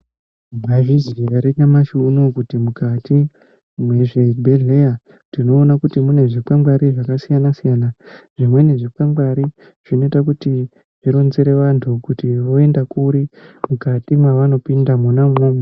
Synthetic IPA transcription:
maʐiziraɾinamaʃunokutimukatʰi | mwe̞ʐe̞bʱeɮeja | ndino̞ːnakutimune̞ʐikamwaɾiʐakasijanasijanaʐimwe̞ne̞ʐipamɡwaɾi | ʐ̥ino̞itakuti | ʐ̥iɾo̞nzeɾe̞ʋantʰukutiʋo̞e̞ndakuɾimukatimwaʋano̞pindamunamoːma

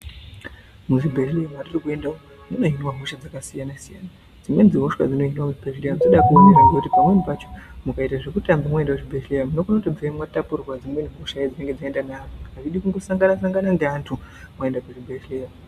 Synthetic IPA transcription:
muʐibʱetlejamwaririkue̞ndao | muno̞inwaɦoʃad͡zakasijanasija̰ːna | d͡zimwe̞nd͡ziɦoʃwa̰d͡zino̞inwamuʐbʱetlejand͡zoɗakuniraŋɡekutipamumipat͡ʃomukaitaʐekutambamwaendakuʐibʱetlejamunokunotabvaimwatapurwad͡zimweniɦoʃaid͡zine̞ŋɡed͡zinoendaneafrikakaʐiɗikuŋɡosaŋɡanas̬aŋɡanandeantʰu | mwae̞ndakuʐibʱetleja

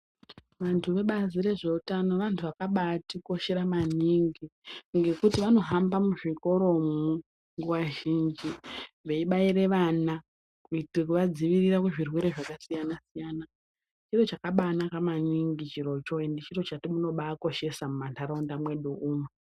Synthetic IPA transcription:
ʋantʰuʋe̞ɓazire̞ʐe̞utano̞ʋantʰuʋakaɓatiko̞ʃe̞ɾamaniŋɡiŋɡe̞kutiʋano̞ɦambamuʐiko̞ɾo̞mu | ŋɡuʋaʒind͡ʒiʋe̞iɓaiɾe̞ʋana | kuitrekuʋad͡ziʋirirakuʐirwe̞ɾe̞ʐakasijanasijaːna | t͡ʃiro̞t͡ʃakaɓanakamaniŋɡit͡ʃiɾo̞t͡ʃoendit͡ʃiro̞t͡ʃatimuno̞ɓaːko̞ʃe̞samumantʰaɾaundamwe̞ɗuʔuːme

